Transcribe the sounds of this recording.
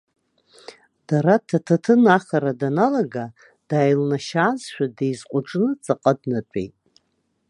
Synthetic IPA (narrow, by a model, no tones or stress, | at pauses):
d̥aɾatʰatʰatʰɨnaχaɾadanalaɡa | d̥aːjlnaʃaːzʃᶣadejzqʷʼʊʈ͡ʂʼnɨt͡sʼaqʼadnat͡ʃʷʼḛjtʼ